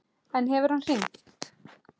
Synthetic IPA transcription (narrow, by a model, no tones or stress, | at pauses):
ɛnɦɛvʏɾhansiŋ